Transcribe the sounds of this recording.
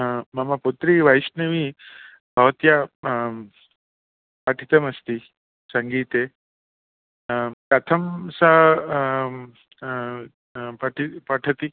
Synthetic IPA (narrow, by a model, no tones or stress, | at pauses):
mɐmaput̪ɾiʋajsneʋi | bʱɐʋɐt̪ja | paʈʰi̥t̪ɐmɐst̪i | səŋɡiːt̪e | kat̪ʰɐmsa | paʈʰipaʈʰɐt̪i